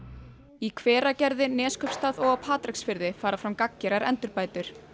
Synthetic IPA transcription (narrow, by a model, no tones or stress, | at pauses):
ikʰvɛːɾacɛɾðɪnɛːskʰœpst̪aðɔɣapʰaːt̪ɾɪksfɪɾðɪfaːɾafɾamkacːɪɾaɾɛ̰nt̪ʏɾpaːjt̪ʏɾ̥